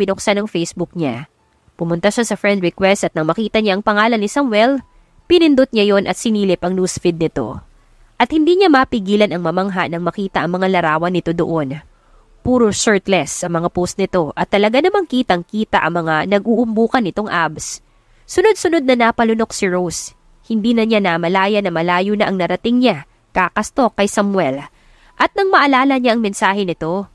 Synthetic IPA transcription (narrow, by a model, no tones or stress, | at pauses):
bɪnoksanɐŋfejsbuk̚ɲa | pʊmʊnt̪ɐʃasɐfɹɛnd̪̚ɹɪkwɛst̪ʔɐt̪̚nɐŋmɐkiːt̪ɐɲaʔɐŋpɐŋaːlɐnːɪsɐmwɛl | pɪnɪnd̪ot̪̚ɲajo̞nʔɐt̪̚sɪniːlɪpɐŋnuːsfɪd̪̚nɪt̪o̞̰ | ʔɐt̪̚hɪnd̪iːɲamɐpɪɡiːlɐnʔɐŋmɐmɐŋɦaʔnɐŋmɐkiːt̪ɐʔɐŋmɐŋalɐɾaːwɐnɪt̪o̞d̪o̰ʔo̞n | puːɾosɛɹt̪lɛsːɐmɐŋapost̪̚nɪt̪o̞ʔɐt̪ːɐlɐɡanɐmaŋkiːt̪ɐŋkiːt̪ɐʔɐŋmɐŋanɐɡ̚ʔuʔʊmbuːkɐnːɪt̪o̞ŋʔabs | sʊno̞d̪̚sʊno̞d̪̚nɐnapɐlʊno̞k̚sɪɹows | hɪnd̪iːnɐɲanɐmɐlaːjɐnɐmɐlaːjʊnɐʔɐŋnɐɾɐt̪ɪŋɲa | kakɐst̪o̞kːɐjsɐmwɛl | ʔɐt̪̚nɐŋmɐʔɐlaːlɐɲaʔɐŋmɛnsaːhɛnɪt̪o̞